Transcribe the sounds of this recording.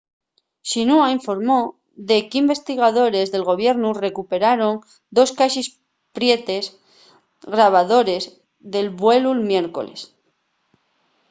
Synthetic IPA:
ʃinuaiɱfo̞ɾmo̞ | ðe̞kimbe̞st̪iɣ̞aðo̞ɾe̞zðe̞lɣo̞β̞je̞ɾnure̞kupe̞ɾaɾo̞n | d̪o̞skaʃis | pɾje̞t̪e̞z | ɣɾaβ̞aðo̞ɾe̞z | ðe̞lβwe̞lulmje̞ɾko̞̰le̞̰s

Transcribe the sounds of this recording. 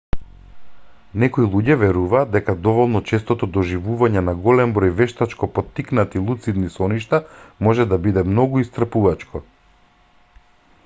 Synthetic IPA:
nɛkɔilˠuɟɛvɛɾuvaːd̪̚d̪ɛkad̪ɔvɔlˠnɔt͡ʃɛst̪ɔt̪ɔd̪ɔʒivuvaɲɛnaɡɔlɛmbɾɔjvɛʃt̪at͡ʃkɔpɔt̪ːiknat̪ilˠut̪sid̪nisɔniʃt̪amɔʒɛd̪abid̪ɛmnɔɡuist̪ɾr̩puvat͡ʃkʰɔ

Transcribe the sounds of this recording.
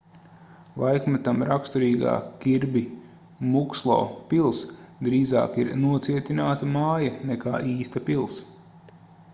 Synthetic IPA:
lˠajkmɛt̪amɾakst̪uɾiːɡa̰ːkʲiɾbi | mukslˠɔ̰ːpilˠsd̪ɾiːza̰ːkiɾnuɔt̪siɛt̪ʲinaːt̪ɐmaːjɐneka̰ːʔiːst̪ɐpilˠs

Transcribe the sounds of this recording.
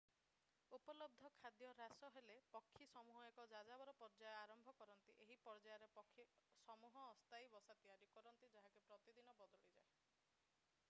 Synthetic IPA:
upɔlɔb̚d̪ʱɔkʰad̪jɔɾasɔɦelepɔkʰːisɔmuɦɔekɔd͡ʒad͡ʒabɔɾɔpɔɾd͡ʒajaɾɔmbʱɔkɔɾɔnt̪iʔeɦipɔɾd͡ʒajɔɾepɔkʰːisɔmuɦɔːst̪ajbɔsat̪iaɾikɔɾɔnt̪id͡ʒaɦakupɾɔt̪id̪inɔbɔd̪ɔɭid͡ʒae

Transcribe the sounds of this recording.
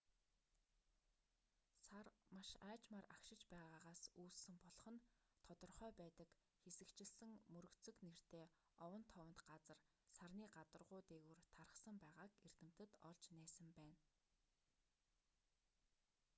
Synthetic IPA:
samaʃaːt͡ɕmarakʃɪ̆t͡ɕpæːʁaːʁaːsuːssɘ̆mpɔɮɞ̆χɞ̆n | t̪ʰɔt̪ɞ̆rχœːpæːt̪ə̆k | xesɘ̆kt͡ɕɪ̆ɮsɘ̆ŋmɵɾɵ̆kt͡sɵ̆kner̥t̪eː | ɔwə̆nt̪ʰɔwə̆n̥t̪ɢat͡sə̆r | sarniːɢat̪ə̆rʁʊːt̪eːɣuːrt̪ʰaɾə̆χsə̆mpæːʁaːker̥t̪ɘ̆m̥t̪ɘ̆t̪ɔɮt͡ɕnæːsə̆mpæːn

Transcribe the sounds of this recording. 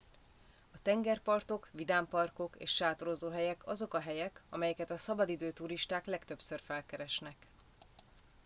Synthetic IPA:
ɒt̪ɛŋɡɛrpɒrt̪o̞kʋid̪aːmpɒrko̞kḛːʃʃaːt̪oɾozoːɦɛjɛkʰɒzo̞kɒɦɛjɛkɒmɛjɛkɛt̪ɒsɒbɒd̪id̪øːt̪uɾiʃt̪aːklɛkt̪ø̞psørfɛlkɛɾɛʃnɛk

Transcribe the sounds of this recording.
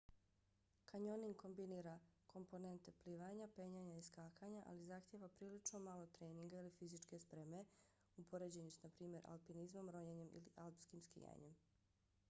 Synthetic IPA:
kaɲoniŋko̞mbiniːɾakʰo̞mpo̞ne̞nt̪e̞pliːʋaɲape̞ɲaɲaiskaːkʰaɲaʔa̰lizaxt̪jeʋapɾiːlit͡ʃnomalˠo̞t̪ɾe̞ːniŋɡailifizit͡ʃke̞spɾeme̞ | upʰo̞ɾed͡ʑeɲusnapɾiːmje̞ɾʔa̰lpinizmo̞mɾo̞ɲeɲe̞mʔḭlḭʔalpskimskḭja̰ɲe̞m

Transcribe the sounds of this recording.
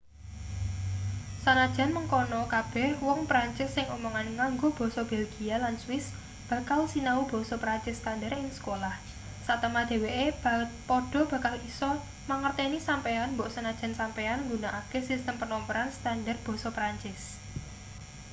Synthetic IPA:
sanad̥ʒ̥a̤nməŋkɔnɔkab̥ɛ̤hwɔŋpɾaɲt͡ʃɪsːɪŋomɔŋanŋaŋɡob̥ɔ̤sɔb̥elɡ̥ialanswɪs | b̥ä̤kalsinaub̥ɔ̤sɔpɾaɲt͡ʃɪskandəɾɪŋsə̥kolah | sat̪əmad̪̥e̤weʔepɔɖ̥ɔ̤b̥ä̤kalisɔ | maŋərt̪enisampeanmbɔʔsanad̥ʒ̥a̤nsampeanŋɡunaʔakesist̪əmpənɔmpəɾanst̪andər̚b̥ɔ̤sɔpɾaɲt͡ʃɪs

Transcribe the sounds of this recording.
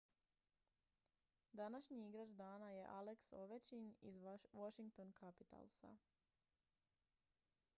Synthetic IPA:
d̪anaʃɲiiɡɾad͡ʒd̪aːnaje̞ʔaleksoʋet͡ʃiɲḭzʋoʃiŋk̚t̪onkʰapit̪a̰lˠsa̰

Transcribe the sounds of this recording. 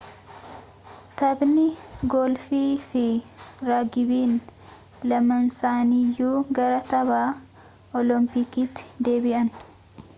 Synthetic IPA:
t̪ɐbnɪɡɔlfiːfɪɾaːɡɪbiːn | lɐmɐnsaːniːjːuːɡɐɾɐt̪ɐβaː | ʔɔlɔmpɪkiːt̪ːɪ̥d̪e̞ːbɪʔɐn

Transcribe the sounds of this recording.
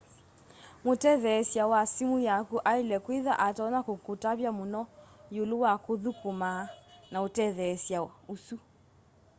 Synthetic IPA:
motɛðɛːsjawasimujakuʔailɛkwiða̰ʔataɔnakokotaβjamonɔjolowakoðukomanaotɛðɛsjawausu

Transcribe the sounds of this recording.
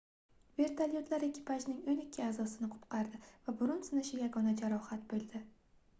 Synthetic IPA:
ve̞ɾt̪ʰaljot̪laɾekʲʰːɪ̥pʰaʒnɪŋonɪkʲʰːɪaːzɒsɪnɪqʰʊ̥p̪qʰɑɾd̪ɪvabʊɾʊnsɪnɪʃɪjaɡɒnad͡ʒaɾɒhat̪̚bolˠd̪ɪ

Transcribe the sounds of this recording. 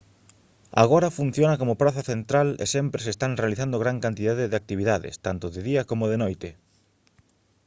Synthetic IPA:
a̰ɣ̞oɾɐfun̟θjonɐkomopɾaθaθent̪ɾalḛsɛmpɾesest̪anrealiθand̪oɣɾaŋkant̪iðaðeðeak̚t̪iβiðaðɪ̰st̪ant̪oðɪðiɐkomoðenojt̪ɪ

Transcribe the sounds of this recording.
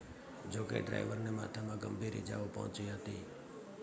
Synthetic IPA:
d͡ʒokḛɖɾa̰iʋəɾnema̰t̪ʰamãɡəmbʱiɾḭd͡ʒa̰ʋopəɦɔ̰̃t͡ʃiɦət̪ḭ

